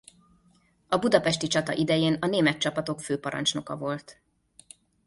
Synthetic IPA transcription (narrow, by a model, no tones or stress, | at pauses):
ɒbud̪ɒpɛʃt̪it͡ʃɒt̪ɒ̰ʔid̪ɛjeːnɒneːmɛt̪̚t͡ʃɒpɒt̪o̞kføːpɒɾɒ̰nt͡ʃno̞kɒvo̞lt̪